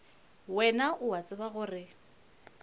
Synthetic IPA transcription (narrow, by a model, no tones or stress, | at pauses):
wɛnaʔʊwat͡sʼɪbaɣʊrɪ